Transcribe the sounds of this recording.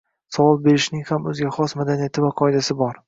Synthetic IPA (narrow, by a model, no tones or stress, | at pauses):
sɒvɒlbe̞ɾɪʃnɪŋhamɵzɡʲaχɒsmad̪anijat̪ʰɪvaqʰɒɪd̪asɪbɒɾ